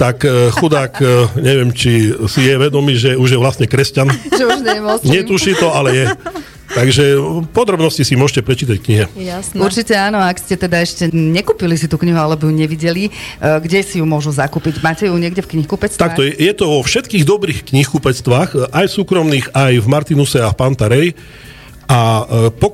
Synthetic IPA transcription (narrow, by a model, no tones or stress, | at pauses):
t̪akxud̪aːkɲɛʋɪɛmt͡ʃisijɛʋɛd̪ɔmiːʒɛuʒjɛʋlasɲɛkɾɛscanʒɛuʒɲɛɛmɔɲɛt̪uʃiːt̪ɔalɛjɛ | t̪aɡʒɛpɔd̪ɾɔbnɔscisimʊɔʒcɛpɾɛt͡ʃiːt̪ackɲiɦɛasuɾt͡ʃicɛaːnɔakscɛt̪ɛd̪aɛʃcɛɲɛkuːpilisit̪uːkɲiɦualɛbɔjuɲɛʋiɟɛliɡɟɛsijumʊɔʒuzakuːpiɟmaːcɛjuɲɛɡɟɛfkɲixkupɛt͡st̪ak̚t̪ɔjɛjɛt̪ɔʋɔfʃɛt̪kiːɣd̪ɔbɾiːxkɲixkupɛt͡st̪ʋaːxajfsuːkɾɔmniːɣajvmaɾt̪inusɛafpant̪aɾɛj | ʔapɔ